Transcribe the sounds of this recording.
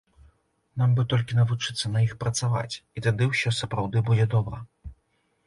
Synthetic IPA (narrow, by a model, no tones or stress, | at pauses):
nambɨt̪ɔlʲkʲinɐvut͡ʂɨt̪sːɐnɐixpɾɐt̪sava̰t͡sʲit̪ad̪ɨwsʲɔsɐpɾawd̪ɨbud͡zʲɛd̪ɔbɾɐ